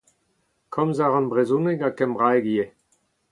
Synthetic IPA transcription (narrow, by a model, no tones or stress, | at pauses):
kʰɔmzaʁɑ̃nbʁezuneɡakɛmʁajɡie